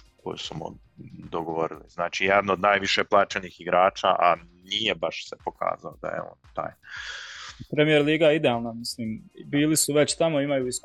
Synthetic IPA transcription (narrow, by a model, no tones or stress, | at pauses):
kʰo̰jṵsumo̰ | d̪oɡoʋoɾilḭznaːt͡ʃijed̪nood̪naːjʋiʃeplˠaːt͡ʃeniːxiɡɾaːt͡ʃaʔa | nije̞baʃsepo̞kʰa̰ːzaod̪a̰jḛo̰ːnt̪a̰ːj | pɾemije̞ɾliːɡajeid̪eaːlˠnamisliːmbiːlisuʋe̞t͡ɕt̪amo̞imajuisk